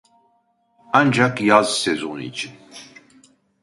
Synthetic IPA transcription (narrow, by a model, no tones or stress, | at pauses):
and͡ʒakjazsɛzonḭd͡ʒi